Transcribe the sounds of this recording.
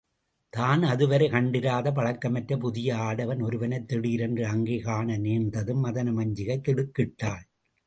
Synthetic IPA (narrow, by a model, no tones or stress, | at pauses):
t̪aːnɐðɯʋɐɾɐɪkɐɳɖɪɾaːðɐp̬ɐɻɐkːɐmɐʈɾɐp̬ʊðɪjɐaːɽɐʋɐnɔɾɯʋɐnɐɪt̪ːɪɽiːɾɛndrɯɐŋɡeɣaːɳɐneːnd̪ɐðɯmːɐðɐnɐmɐɲd͡ʒɪɣɐɪt̪ːɪɽɯkːɪʈːaːl